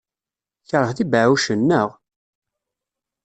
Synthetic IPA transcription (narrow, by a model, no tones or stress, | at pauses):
çɾˤəθðibʕuʃənːəʁ